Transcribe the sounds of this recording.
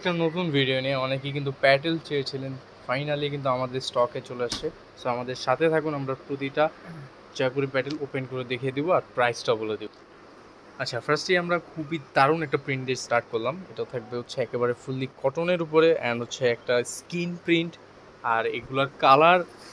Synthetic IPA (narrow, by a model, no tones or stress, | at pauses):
ɛk̚ʈanot̪̬unbʱiɖionieɔnek̬ikint̪̬upɛʈ̬elt͡ɕeet͡ɕʰilen | fajnalikint̪̬uamad̪eɾsʈɔket͡ɕoleaʃe | soamad̪eɾʃat̪ʰet̪ʰakunamɾapɾot̪̬iʈa | d͡ʑɔekoɾipɛʈelopenkoɾed̪ekʰed̪iboaɾpɾajsʈaboled̪ibo | atːɕʰafaɾsʈliamɾakʰubid̪aɾunɛk̚ʈapɾiɳʈɖeɾsʈaɾʈ̚koɾlameʈat̪ʰak̚beɦot̪ːɕʰeɛkeβaɾefulikɔʈoneɾup̬oɾeɛnotːɕʰeɛk̚ʈaskinpɾiɳʈ | aɾḛɡulaɾkalaɾ